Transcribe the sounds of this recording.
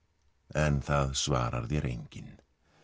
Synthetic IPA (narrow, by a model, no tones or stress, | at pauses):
ɛnθaðsvaːɾa̰ɾðiaɾʔeŋkʰɪn